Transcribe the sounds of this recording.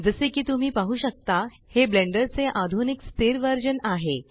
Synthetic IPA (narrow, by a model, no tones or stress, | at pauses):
d͡zəsekiːt̪um̤iːpaɦuːɕək̚t̪a | heblẽɳɖəɾt͡seʔad̪ʱunikst̪eɾʋəɾd͡ʑənaɦe